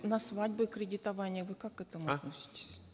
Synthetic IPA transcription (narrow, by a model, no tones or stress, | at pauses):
nɐsvadʲbʊkɾʲɪdʲɪt̪ɐvanʲɪjəvɨkakːɛt̪əmʊɐt̪nosʲɪ̥tʲɪ̥sʲ